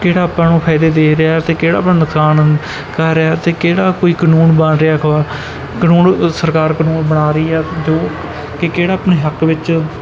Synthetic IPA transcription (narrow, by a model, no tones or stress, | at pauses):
keːɽaːəpãːnũːpʰɛːd̪eːd̪eːɾeaːɛt̪eːkeːɽaːpnaːnʊksaːn | kəɾːaːt̪eːkeːɽaːkoːiːkənuːnbãnɾeaːkʰːaː | kənuːnsəɾkaːɾkənuːnbəɽaːɾəiːɛːd͡ʒoː | kekeːɽaːəpɳeːɦəkʋɪt͡ʃ